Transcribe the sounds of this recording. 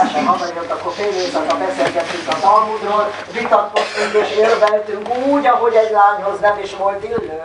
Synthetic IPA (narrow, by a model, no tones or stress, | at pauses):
ʃɛmɦɒzɒniot̪ːɒkːorfeːlet̪ɒt̪ːɒbɛseːlɡɛt̪ːyŋkɒzɒlmud̪roːl | vit̪ɒt̪kost̪yŋkeːʃervɛlt̪yŋkuːɟɒɦo̞ɟɛɟlaːɲhoznɛmeːʃʋo̞lt̪ilːøː